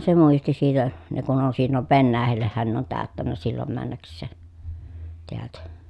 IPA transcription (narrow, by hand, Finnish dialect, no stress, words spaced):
se muisti siːtæ ne kun on silːoʋ ʋenːæːhælːehːæn ne on tæˑøtːænːæ silːom mænːæksˑeː teæltæ